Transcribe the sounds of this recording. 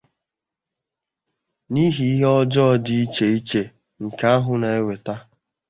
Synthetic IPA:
ni˦ɦi˦i˦ɦe˦ɔ˦d͡ʒɔ˦dɪ˦i˦t͡ʃe˨i˦t͡ʃe˨ | ŋ̩˨ka˦a˦ɦʊ˨na˨e˦we˨ta˦

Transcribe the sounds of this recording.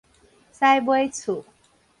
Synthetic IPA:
sa˥jbwe˥˦jt͡sʰu˨˩˨

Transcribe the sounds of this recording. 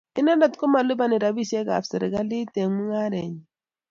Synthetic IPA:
i˦na˦da˨tko˦ma˨li˦ba˨ni˨ɾa˨bi˦se˦ka̰˨fsə˨ɾi˨ɡa˦li˦te˨ŋmu˦ŋa˦ɾɛ˨ɲ˨

